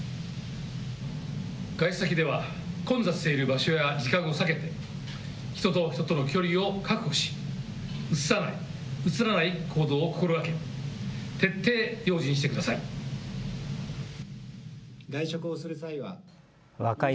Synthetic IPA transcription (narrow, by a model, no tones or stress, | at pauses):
ɡ̥aiɕsakʲid̪e̞β̞akõ̞nd͡zasɨ̥t̪e̞iɾɯ̟baɕo̞jad͡ʑikãɰ̃o̞sake̞t̪e̞ | çi̥t̪o̞t̪o̞çi̥t̪ot̪ono̞kʲo̞ɾʲio̞kakɯ̟̥hoɕi̥ | ɯt͡sɨ̥sanai | ɯt͡sɨɾanaikʰo̞ːd̪o̞ːko̥koɾɯ̟βake̞ | t̪e̞t̪ʰːe̞ːjo̞ːʑĩɰ̃ɕi̥t̪ekɯd̪asai | ɡaiɕo̞kɯ̟osɨɾɯ̟saiβa̰ | βaka